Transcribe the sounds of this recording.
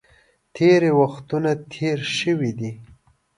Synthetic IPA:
t̪ʰeɾewaxt̪unat̪ʰeɾʃəwid̪i

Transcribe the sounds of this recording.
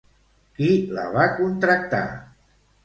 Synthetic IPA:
kilə̰βakunt̪ɾək̚t̪a̰

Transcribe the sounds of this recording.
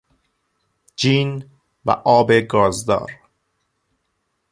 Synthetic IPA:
d͡ʒiːn | væ̰ʔɒːbeɡɒːzd̪ɒ̰ːɾ

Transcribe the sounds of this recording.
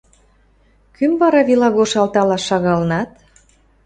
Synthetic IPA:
kymvɑɾɑβilɑɣoʃɑlt̪ɑlɑʃɑɣɑlnɑt̪

